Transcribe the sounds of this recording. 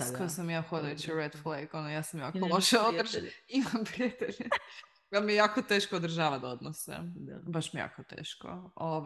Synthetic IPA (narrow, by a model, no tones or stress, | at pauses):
skojesamjaːxod̪ajut͡ɕiɾed̪flˠejɡonojaːsamjaːkolˠoʃeod̪ɾʒimampɾiat̪eʎe | amijejaːkot̪eːʃkood̪r̩ʒaːʋad̪aod̪nosḛbaʃmijeja̰ːkot̪ḛːʃko̰oʋ